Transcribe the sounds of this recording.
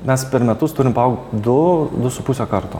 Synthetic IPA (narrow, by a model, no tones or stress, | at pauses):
mʲɛspʲɛɾmʲɛt̪ʊst̪ʊɾʲɪmpɐɐʊɡt̪d̪ʊd̪ʊsʊpusʲekɐɾt̪o̰